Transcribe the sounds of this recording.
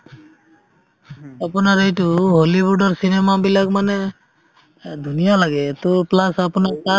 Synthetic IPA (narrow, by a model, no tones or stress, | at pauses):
apunaɹejtʊɦolibudɔɹsinemabilakmanɛ | d̪ʱunijalaɡɛt̪oplasapunata